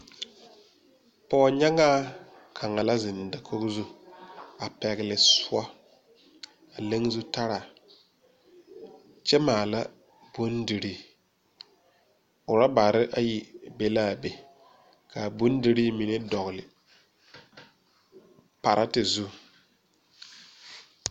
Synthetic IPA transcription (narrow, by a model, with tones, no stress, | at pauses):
pɔ˨ɲa˦ŋaː˦ | kʰa˨ŋa˨la˦zɪ˨nda˨kʰo˦ɣzu˦ | a˨pɛ˨ɣɪ˨lɪ˨sʊ˦a˦ | a˨le˦ŋ˦zu˦ta˦ɾa˨ | t͡ʃɛ˦maː˨la˦ | bo˦ndi˨ɾi˦ | ʊ˨ɾa˦ba˨ɾɪ˦ʔa˦ji˦be˦la˦˨be˨ | kʰa˨bʊ˦ndi˦ɾi˦mi˨ne˦dɔ˨ɣlɪ˨ | pa˨ɾʔa˦tɪ˨zu˦